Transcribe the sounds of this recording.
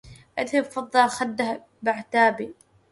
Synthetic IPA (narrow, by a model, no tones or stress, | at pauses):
ʔaðhɪbfɑd̪ˤːɑlxad̪ːah | baʕt̪aːbi